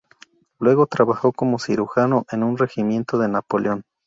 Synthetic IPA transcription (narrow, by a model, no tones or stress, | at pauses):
lwe̞ɣo̞t̪ɾaβaxo̞ko̞mo̞siɾuxano̞ʔe̞nunre̞ximjẽ̞nt̪o̞ðe̞napo̞ljo̞n